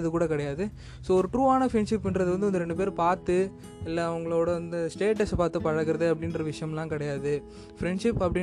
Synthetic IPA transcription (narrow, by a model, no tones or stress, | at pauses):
ɐðɯkuːɽɐkɐɽɐjaːðɯ | soːɔɾɯʈɾuːaːnɐfɾɛɳɖʂɪpːɪndɾɐðɯʋɐnd̪ɯɔnd̪ɯɾɛɳɖɯp̬eːɾpaːɾt̪ɯ | ɪlːɐːʋɐŋɡɐɭoːɽɐʋɐnd̪ɐsʈeːʈɐspaːɾt̪ːɯpɐɻɐɣɯɾɐðɯɐpːɐɽɪnɾɐʋɪʂɐjɐmlãːkɐɽɐjaːðɯ | fɾɛɳɖʂɪpːɐpːɐɽɪ